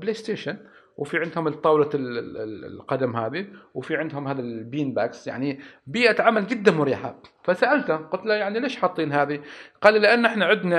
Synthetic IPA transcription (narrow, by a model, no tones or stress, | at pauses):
bleːst̪eːʃan | wfiʕɪnd̪hʊmt̪ˤːɑːwla̰ | lqɑd̪amɦaːðiwfiʕɪnd̪hʊmhaːðalbiːnbaːksja̰ʕnibiːʔat̪ʕamːalɡɪd̪ːamʊɾiːħa̰fasaʔalt̪aqʊt̪lajaʕnileːʃħɑt̪ˤːiːnɦaːðiqɑːllɪʔanːʔɪħnaʕɪd̪na